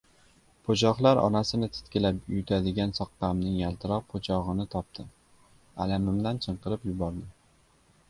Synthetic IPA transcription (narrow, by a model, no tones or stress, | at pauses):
pʰot͡ʃʰɒχlˠaɾʔɒ̰nasɪnɪt̪ʰɪ̥t̪kʲɪlapʊjʊt̪ʰad̪ɪɡʲansɒq̚qamnɪŋjalˠt̪ʰɪɾɒq̚pʰot͡ʃʰɒʁɨnɪt̪ʰɒp̚t̪ʰɪ | a̰lamɪmd̪ant͡ʃʰɨɴqɨɾɪpjʊbɒɾd̪ɪ